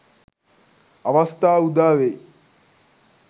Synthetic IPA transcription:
ɐʋɐst̪aːud̪aːʋe

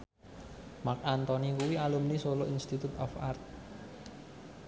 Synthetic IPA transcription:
mak̚ant̪ɔnikuwialumnisoloʔinst̪it̪ut̪ɔ̰fa̰rt̪̚

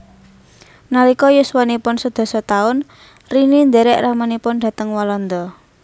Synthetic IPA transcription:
nalikɔjuswanipʊnsəd̪̥ɔ̤sɔt̪aʊn | rinind̪ɛɾɛʔramanipʊnd̥a̤t̪əŋwalɔnd̪ɔ

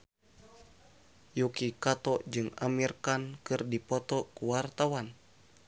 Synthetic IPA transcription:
jukikat̪ɔʔd͡ʒɨŋamirkankɨrdipɔt̪ɔkuwart̪awan

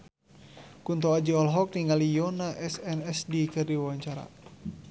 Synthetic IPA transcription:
kunt̪ɔad͡ʒiɔlɦɔk̚niŋalijɔnaʔɛsɛnɛsdikɨrdiwawaɲt͡ʃaɾa̰

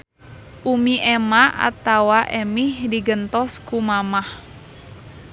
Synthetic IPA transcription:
ʔumiʔɛmaʔa̰t̪awaʔɛmihdiɡənt̪ɔskumamah

